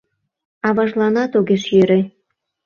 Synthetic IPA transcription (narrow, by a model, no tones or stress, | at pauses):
ɑβɑʒlɑnɑt̪oɣeʃjøɾe